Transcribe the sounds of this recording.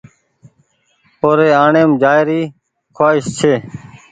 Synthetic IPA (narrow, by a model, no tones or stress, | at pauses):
oːɾeːaːɳeːmd͡ʒaːɪɾiː | kʰwaːɪʃt͡ʃʰeː